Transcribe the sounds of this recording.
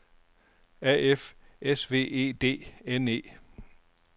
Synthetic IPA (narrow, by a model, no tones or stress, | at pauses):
æ̰efesʋe̝̰ːe̝̰ːd̥e̝̰ːene̝̰ː